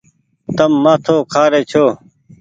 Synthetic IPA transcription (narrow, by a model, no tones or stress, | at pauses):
t̪əmːãːt̪ʰoːkʰaːɾeːt͡ɕʰoː